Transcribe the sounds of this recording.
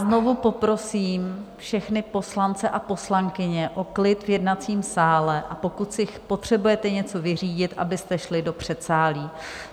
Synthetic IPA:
zno̞vupo̞pɾo̞siːmfʃɛxnɪpo̞slant͡sɛʔapo̞slaŋkɪɲɛʔo̞klɪt̪vjɛdnat͡siːmsaːlɛʔapo̞kut̪sɪxpo̞t̪r̝̥ɛbujɛt̪ɛɲɛt͡so̞vɪr̝iːɟɪt̪ʔa̰bɪst̪ɛʃlɪdo̞pr̝̥ɛt̪saːliː

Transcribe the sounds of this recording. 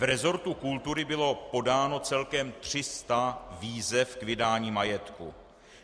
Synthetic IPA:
vɾɛzo̞ɾt̪ukult̪uɾɪbɪlo̞po̞daːno̞t͡sɛlkɛmt̪r̝̥ɪst̪aviːzɛfkvɪdaːɲiːmajɛt̪kṵ

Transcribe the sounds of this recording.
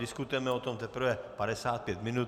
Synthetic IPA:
dɪskut̪ujɛmɛot̪omt̪ɛpr̩vɛpadɛsaːt̪̚pjɛt̪mɪnut̪

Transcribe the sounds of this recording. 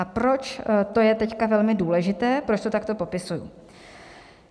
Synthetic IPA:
apɾo̞t͡ʃt̪o̞jɛt̪ɛckavɛlmɪduːlɛʒɪt̪ɛːpɾo̞t͡ʃt̪o̞t̪akt̪o̞po̞pɪsujṵ

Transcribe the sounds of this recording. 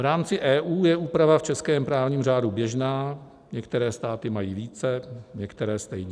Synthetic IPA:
vɾaːmt͡sɪʔɛːʔuːjɛʔuːpɾavaft͡ʃɛskɛːmpɾaːvɲiːmraːdubjɛʒnaː | ɲɛkt̪ɛɾɛːst̪aːt̪ɪmajiːviːt͡sɛɲɛkt̪ɛɾɛːst̪ɛjɲɛ

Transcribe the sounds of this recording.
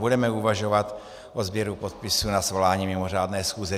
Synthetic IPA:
budɛmɛuvaʒo̞vat̪ | ʔozbjɛɾupot̪̚pɪsunasvo̞laːɲiːmɪmo̞r̝aːdnɛːsxuːzɛ

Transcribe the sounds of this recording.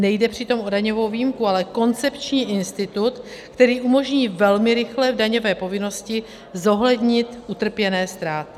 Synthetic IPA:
nɛjdɛpr̝̥ɪt̪o̞mʔo̞daɲo̞vo̞wviːmkualɛko̞nt͡sɛpt͡ʃɲiːʔɪnst̪ɪt̪ut̪kt̪ɛɾiːʔumo̞ʒɲiːvɛlmɪɾɪxlɛvdaɲo̞vɛːpo̞vɪno̞scɪ | zo̞ɦlɛdɲɪt̪ʔut̪r̩pjɛnɛːst̪ɾaːt̪ɪ̥

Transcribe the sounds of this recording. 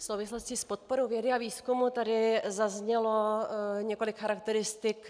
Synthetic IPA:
fsowvɪsloscɪspo̞t̪̚poɾowvjɛdɪaviːskumut̪adɪzazɲɛlo̞ɲɛko̞lɪkxaɾakt̪ɛɾɪst̪ɪk

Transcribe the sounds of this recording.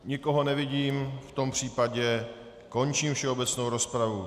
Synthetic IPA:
ɲɪko̞ɦo̞nɛvɪɟiːmft̪o̞mpr̝̥iːpaɟɛ | ko̞nt͡ʃiːmfʃɛobɛt͡sno̞wɾospɾavu

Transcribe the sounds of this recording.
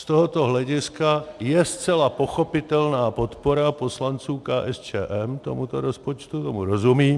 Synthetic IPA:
st̪oɦot̪oɦlɛɟɪskajɛst͡sɛlapo̞xopɪt̪ɛlnaːpot̪poɾapo̞slant͡suːkaːʔɛst͡ʃɛ̰ːʔɛmt̪o̰mut̪oɾospot͡ʃt̪ut̪omuɾozumiː

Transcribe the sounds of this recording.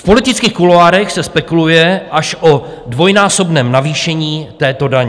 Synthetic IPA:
fpo̞lɪt̪ɪt͡skiːxkuloaːɾɛxsɛspɛkulujɛʔaʃʔo | dvo̞jnaːso̞bnɛːmnaviːʃɛɲiːt̪ɛːt̪o̞daɲɛ

